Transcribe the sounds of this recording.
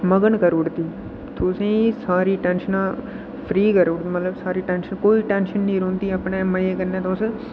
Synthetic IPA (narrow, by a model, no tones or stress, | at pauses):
məɡəɳkəɾoːɽt̪iː | t̪ʰoːsẽsaːɾiːʈɛ̃ːnʃənã | pʰɾiːkəɾoːɽt̪imət̪ləbsaːɾiʈɛ̃ːnʃənkoːiːʈɛ̃ːnʃənːĩːɾõːnt̪iɐpɳeːməjeːkəɾnẽːt̪oːse